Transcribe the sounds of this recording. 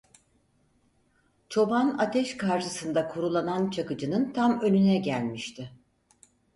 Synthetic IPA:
t͡ʃʰo̞banat̪ʰɛʃkaɾʃɯsɯnd̪akʰuɾulˠanant͡ʃʰakɯd͡ʒɯnɯnt̪ʰamø̞nynɛɟælʲmiʃt̪ʰɪ

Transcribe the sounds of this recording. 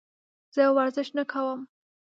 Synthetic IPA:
z̥əjwaɾzɪʃnakʰawəm

